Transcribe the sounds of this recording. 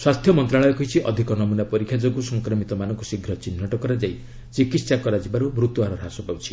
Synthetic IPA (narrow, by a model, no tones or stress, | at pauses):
swast̪ʰjɔmɔnt̪ɾaɭɔjɔkɔɦit͡ʃʰiʔɔd̪ʱikɔnɔmunapɔɾikʰjad͡ʒɔɡusɔŋkɾɔmit̪ɔmanɔŋkusiɡʱɾɔt͡ʃinːɔʈɔkɔɾad͡ʒaj | t͡ʃikit̪ssakɔɾad͡ʒibaɾubɾut̪uaɾɔɾɦasɔpawt͡ʃʰi̥